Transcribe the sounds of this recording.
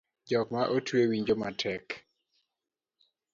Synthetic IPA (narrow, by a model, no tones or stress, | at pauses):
d͡ʒɔkmaʔotwewiɲd͡ʒomatʰɛk